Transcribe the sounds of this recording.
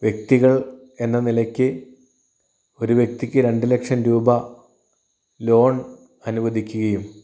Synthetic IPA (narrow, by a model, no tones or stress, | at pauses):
ʋjek̚t̪iɣɐɭ | e̞nːɐnilɐkʲːɨ | o̞ɾuʋjek̚t̪ikʲːɨɾe̞ɳɖɨlekʂɐnɾuːbɐ | lo̞ːɳ | ɐnubɐd̪ikʲːuɣɐjum